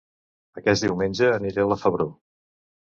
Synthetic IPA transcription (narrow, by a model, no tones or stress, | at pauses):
əkɛsd̪iwmenʲd͡ʒəːniɾeləfəβɾo